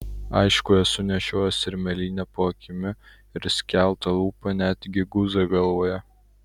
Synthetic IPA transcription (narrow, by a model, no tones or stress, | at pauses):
ɐ̰ɪʃkʊɛsʊnʲɛʃʲoːjosʲɪɾʲmʲɛlʲiːnʲɛpoːkʲɪmʲɪ | ɪɾsʲkʲæˑlˠˑt̪ɐlˠuːpɐnʲæːd̪ʲɡʲɪɡʊzɐɡɐlˠʋoːjɛ